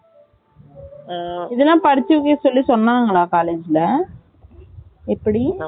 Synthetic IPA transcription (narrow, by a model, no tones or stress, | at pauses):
ɪðɛlːãːpɐɽɪt͡ʃːɯʋkːeːsɔlːisɔnːaːŋɡɐɭaːkaːleːd͡ʒɪlɐ | ɛpːɐɽi